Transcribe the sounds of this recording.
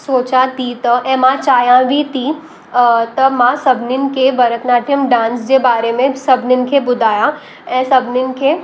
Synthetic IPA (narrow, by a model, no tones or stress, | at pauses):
soːt͡ʃat̪iːt̪ɐʔɛ̃mãt͡ʃaːjãʋit̪iː | t̪ɐmãsɐbʱnɪnɪ̆kebɐɾət̪naːʈʰəmɖãːnsd͡ʒebaːɾemẽsɐbnɪnkʰebʊd̪ʱaːjã | ɛ̃ːsɐbnɪnɪ̆kʰe